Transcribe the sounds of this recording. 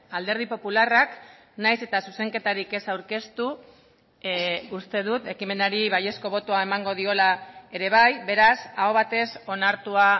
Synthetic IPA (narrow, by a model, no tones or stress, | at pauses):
ald̪e̞ɾð̞ipo̞pularak | najse̞t̪asuse̞ŋke̞t̪aɾike̞sawɾke̞st̪u | ust̪e̞ð̞ut̪e̞kime̞naɾiβaje̞sko̞β̞o̞t̪oae̞maŋɡo̞ð̞io̞lae̞ɾe̞β̞ajbe̞ɾasaoβ̞at̪e̞so̞naɾt̪ua